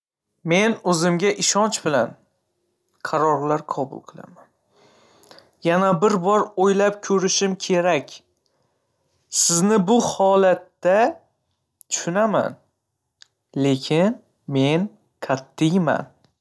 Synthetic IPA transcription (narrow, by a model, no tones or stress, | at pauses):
me̞nɵzɪmɡʲaʔɪʃɒnt͡ʃbɪlan | qʰɑɾɒɾlaɾqʰɒbʊ̰lˠqʰɨlˠa̰man | janabɪɾbɒɾojlap̚kʲʰɵɾɪʃɪmkʲʰe̞ɾakʲ | sɪznɪbʊhɒlat̪ːa | t̪ʰʊ̥ʃʊnama̰n | le̞kʲʰɪn | me̞n | kʲʰat̪ʰːɪjma̰n